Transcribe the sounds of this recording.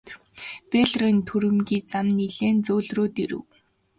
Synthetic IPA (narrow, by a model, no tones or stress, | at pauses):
peɮrɔnt̪ʰuɾɘ̆mɡʲiːt͡samniɮeːnt͡soːɮroːt̪iɾɘ̰̆w